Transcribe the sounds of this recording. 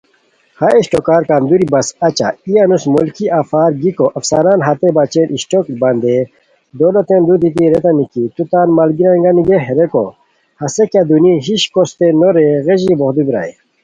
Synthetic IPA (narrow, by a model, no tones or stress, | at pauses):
haeɕʈokaːɾkaːnd̪uɾibɐsɐt͡ɕa̰ijanusmolkiʔafaːɾɡikoʔɐfsɐɾaːnɦɐt̪ebat͡ɕeːnʔiɕʈokbɐnd̪e | d̪oːlot̪end̪ut̪̬it̪̬iɾet̪ɐnikit̪ut̪aːnmɐlɡiɾɐŋɡɐniɡeɦeɾeko̰ | hɐsekjad̪uniɦiɕkost̪enoɾeɣeʑibohd̪ubiɾa̰e